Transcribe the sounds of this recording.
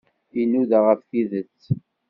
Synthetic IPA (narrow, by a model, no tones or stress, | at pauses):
inuðaʁəfθiðət͡sː